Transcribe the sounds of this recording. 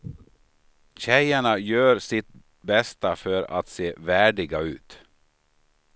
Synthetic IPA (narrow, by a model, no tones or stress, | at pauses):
ɕɛjaɳajœːɾsɪt̪̚ | bɛst̪afœɾa̰t̪seːvæːɖɪɡaʉ̟ːt̪